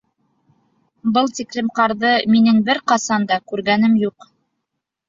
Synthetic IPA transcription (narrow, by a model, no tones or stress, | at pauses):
bɤlˠt̪iklɘ̆mqɑɾðɤminɘŋbɘɾqɑsɑnd̪ɑkʉɾɡænɘmjuq